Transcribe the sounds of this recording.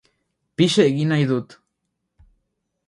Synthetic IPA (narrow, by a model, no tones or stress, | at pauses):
piʃeʔɡinajd̪ut̪